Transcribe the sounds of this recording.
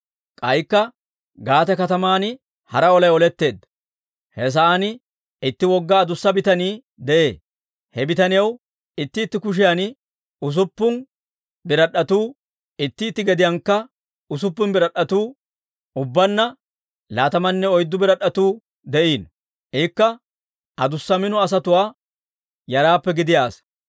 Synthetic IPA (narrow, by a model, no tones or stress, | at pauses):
kʼɐjkːɐ | ɡaːt̪ɛkɐt̪ɐmaːnɪ | hɐɾɐɔlɐjɔlɛt̪ːe̞ːd̪ | hɛs̬ɐaːnɪ | ɪt̪ːɪwɔɡːaːd̪ʊsːɐbɪt̪ɐniː | d̪ɛʔe̞ː | hɛbɪt̪ɐnɪjɐw | ɪt̪ːɪːt̪ːɪkʊʃ̬ɪjan | ʊs̬ʊpːʊn | bɪɾɐɗːɐt̪uː | ɪt̪ːɪːt̪ːɪɡɛd̪ɪjɐŋkːɐ | ʊs̬ʊpːʊnbɪɾɐɗɐt̪uː | ʊbːɐnːɐ | laːt̪ɐmɐnːɛɔjd̪ːʊbɪɾɐɗːɐt̪uː | d̪ɛʔiːn | ʔiːkːɐ | ʔɐd̪ʊsːɐmɪnɔɐs̬ɐt̪ʊwaː | jɐɾaːpːɛɡɪd̪ɪjaːs